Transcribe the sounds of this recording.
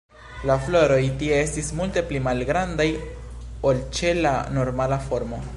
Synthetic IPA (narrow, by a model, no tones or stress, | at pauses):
laflo̞ɾo̞jtie̞estismulte̞plimalɡɾandaj | olt͡ʃe̞lano̞ɾmalafo̞ɾmo̞